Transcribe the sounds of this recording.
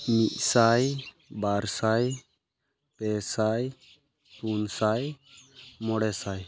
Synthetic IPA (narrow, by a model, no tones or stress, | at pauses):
miʔsaj | baɾsaj | pɛsaj | t̪unsaj | mɔɽɛsaj